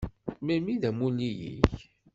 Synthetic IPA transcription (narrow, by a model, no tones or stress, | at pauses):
mæmiðæmulijḭç